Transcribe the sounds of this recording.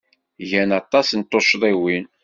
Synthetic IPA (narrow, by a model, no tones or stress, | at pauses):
ʝænɑt̪ˤːɑsnt̪ːoʃðˤiwin